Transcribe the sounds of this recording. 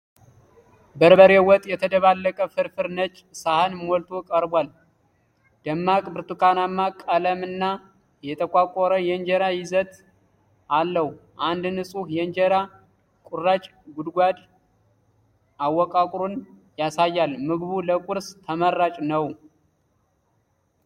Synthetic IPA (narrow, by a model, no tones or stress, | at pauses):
bəɾbəɾewɔt̪ʼjɛt̪ʰəd̪əβalːəkʼəfɨɾfɨɾnət͡ʃʼsahɨnmɔlt̪ʰokʼəɾbwal | d̪̥əmːakʼbɨɾt̪ʰukʰanamːakʼələmɨnːa | jɛt̪ʰəkʷʼakʼɔɾəjɛnd͡ʒeɾajɪzət̪ | alːəhuʔand̪nɨsʼuhjɛnd͡ʒeɾa | kʼurːat͡ʃʼ | ɡud̪ɡʷad̪ | awːɔkʼakʼɾon | jasajːalmɨɡβuləkʼuɾst̪ʰəmərːat͡ʃʼnəw